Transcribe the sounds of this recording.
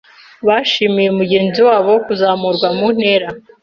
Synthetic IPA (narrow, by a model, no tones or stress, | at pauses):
βaʃimijemuɟe̞ːnziwaːβo̞kuzaːmuɾɡwamun̥he̞ːɾa